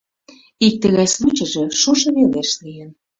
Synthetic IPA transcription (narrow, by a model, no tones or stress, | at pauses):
ik̚t̪ə̆ɣɑjslut͡ɕə̆ʒĕʃoʃɤ̆βeleʃlijən